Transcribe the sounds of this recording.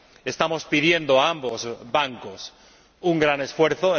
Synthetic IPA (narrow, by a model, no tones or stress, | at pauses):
e̞st̪amo̞spið̞je̞nd̪oaambozbaŋkos | uŋɡɾane̞sfwe̞ɾθoe